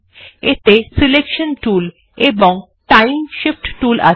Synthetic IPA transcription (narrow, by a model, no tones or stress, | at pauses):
et̪esilekʃonʈul | eboŋ | ʈajimʃifʈʈulʔa̰